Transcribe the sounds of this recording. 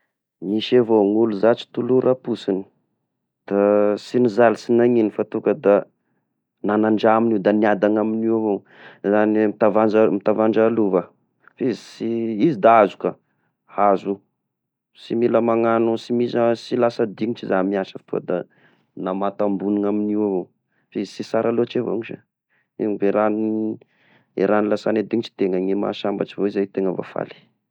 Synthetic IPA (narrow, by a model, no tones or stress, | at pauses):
miʃevoŋuluzat͡si̥t̪uluɾʔapusini̥ | d̪̥asinizalisinaŋinifat̪ukəd̪a | nanaɳɖ͡ʐaminiwd̪aniad̪aŋaminiwavo | zanimit̪avanamit̪avaɳɖ͡ʐaluvə | fizisiizid̪aazu̥ka | hazu | similəmaŋanusimizasilasad̪iŋiʈ͡ʂizamiaʃəfi̥t̪ua̰d̪a | namat̪ambuniŋaminiwavo | fizisisaɾalot͡ʃevo̰ŋiʃa̰ | iŋveɾan | ḛɾanilasaned̪iŋit͡ʃi̥t̪eŋaŋima̰ʃambaʈ͡ʂivoizajt̪eŋəva̰fa̰li̥